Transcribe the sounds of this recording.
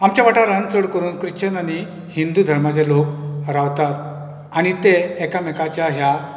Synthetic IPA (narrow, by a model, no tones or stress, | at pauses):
amt͡ɕjaʋaʈaɾãnt͡səɽkəɾuːnkɾiɕt͡ɕənani | hind̪ud̪ʱəɾmat͡selokɾaʋt̪at̪̚ | aɽ̃it̪eɛkamɛkat͡ɕjaɦja